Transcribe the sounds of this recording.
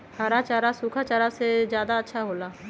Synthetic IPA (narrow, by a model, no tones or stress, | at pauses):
haɾat͡ʃaːɾasuːkʰat͡ʃaːɾasezjaːd̪aɐtːʃʰaɦoːlaː